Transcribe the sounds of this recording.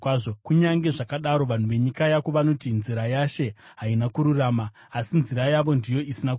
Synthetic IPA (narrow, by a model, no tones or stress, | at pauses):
ʐokuɲaŋɡe̞ʐakaɗaɾo̞ʋan̤uʋe̞ɲikajakoʋano̞tinziɾajaʃe̞ | ɦainakuɾuraːmaː | sinziɾajaʋo̞ndijo̞isinak